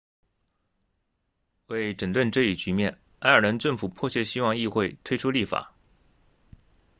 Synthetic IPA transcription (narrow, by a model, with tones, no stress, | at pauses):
we˥˩ɪʈ͡ʂə˨˩nt̪wə˥˧nʈ͡ʂɤ˥˧i˥˩t͡ɕy˧˥mjɛ˥˩n | a˥ə˞˨˩lə˧˥nʈ͡ʂɤ˥˩ŋfu˨˩pʰɔ˥˧ɕɥɛ˥ɕi˥wɑ˥˧ŋi˥˧xwe˥˩ɪt̪ʰwe˥ɪʈ͡ʂʰu˥li˥˩fa̰˨˩˦